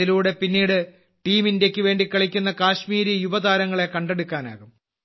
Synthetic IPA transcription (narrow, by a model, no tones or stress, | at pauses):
iluːɽe̞pinːiːɽɨ | ʈiːminde̞kʲːɨʋe̞ːɳɖikːɐɭikʲːunːɐkaːɕmiːɾijubɐd̪aːɾɐŋːɐɭekɐɳɖeɽukːaːna̰ːɣum